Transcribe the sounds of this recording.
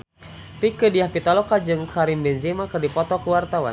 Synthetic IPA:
rikədiahpit̪alɔkad͡ʒɨŋkaɾimbɛnzimakɨrdipɔt̪ɔkuwart̪awa̰n

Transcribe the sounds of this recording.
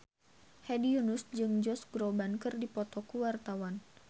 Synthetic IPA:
hɛdiunusd͡ʒɨŋd͡ʒɔsɡɾɔbankɨrdipɔt̪ɔkuwart̪awan

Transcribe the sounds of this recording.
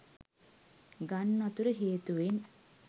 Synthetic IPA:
ɡanːat̪uɾəɦeːt̪uʋen

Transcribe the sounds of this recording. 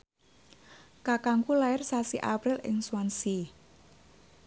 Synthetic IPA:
kakaŋkulaɪrsasiʔapɾilɪ̰ŋsuwansi

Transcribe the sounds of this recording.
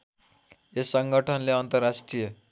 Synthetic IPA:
esʌŋɡʱʌʈʰʌnleʌnt̪ʌrːasʈrijʌ

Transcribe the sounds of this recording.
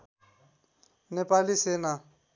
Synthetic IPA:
nepalisena

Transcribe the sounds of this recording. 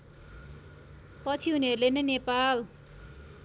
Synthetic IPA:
pʌt͡sʰiuniʌɾulenʌnepal

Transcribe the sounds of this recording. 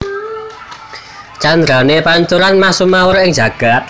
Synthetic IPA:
t͡ʃand̪ɾanepaɲt̪uɾanmasumaoɾoɪŋd͡ʒä̤ɡ̥a̤t̪̚

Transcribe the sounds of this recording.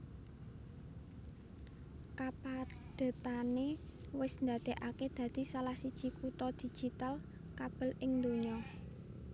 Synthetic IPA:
kapad̥a̤t̪ane | wɪsnd̪ad̪̥e̤ʔaked̪̥ä̤d̪̥i̤salahsid̥ʒ̥i̤kut̪ɔd̪̥i̤̥d͡ʒ̥i̤t̪al | kab̥ə̤lɪŋnd̪oɲɔ

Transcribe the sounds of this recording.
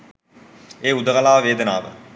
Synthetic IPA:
eːud̪əkalaːʋəʋeːd̪ənaːʋə̰

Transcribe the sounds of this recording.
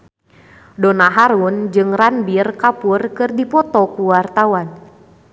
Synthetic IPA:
dɔnaɦaɾund͡ʒɨŋranbirkapurkɨrdipɔt̪ɔkuwart̪awan

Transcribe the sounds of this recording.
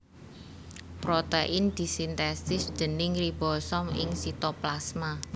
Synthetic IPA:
pɾot̪eʔɪnd̪̥i̤sint̪ɛst̪ɪsd̪̥ə̤nɪŋribɔsɔmɪ̰ŋsit̪oplasma

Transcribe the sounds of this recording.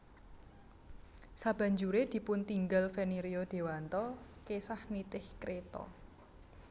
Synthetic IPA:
sab̥a̤ɲd͡ʒuɾed̪̥i̤pʊnt̪iŋɡalfeneɾiod̪̥e̤want̪ɔkesahnit̪ɪhkɾet̪ɔ̰

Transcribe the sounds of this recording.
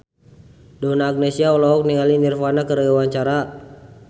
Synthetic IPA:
dɔnaːɡ̚nɛsiaulɔɔk̚niŋalinirfanakəɾawaɲt͡ʃaɾa

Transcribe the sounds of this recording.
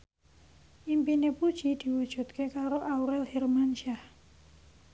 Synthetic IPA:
ʔimpinepud̥ʒ̥id̪̥i̤wud̥ʒ̥ṳt̪̚kekaɾoʔauɾɛlhirmanʃa

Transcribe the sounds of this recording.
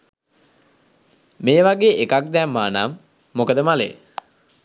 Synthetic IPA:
meːʋaɡeːʔekak̚d̪ɛmːaːnamː | okəd̪əmalḛ

